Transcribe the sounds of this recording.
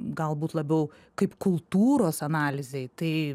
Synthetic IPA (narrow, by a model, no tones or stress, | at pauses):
ɡɐlˠbuːt̪lˠɐbʲɛʊ | kɐɪpkʊlˠt̪uːɾoːsɐnɑːlʲɪzʲɛɪt̪ɐɪ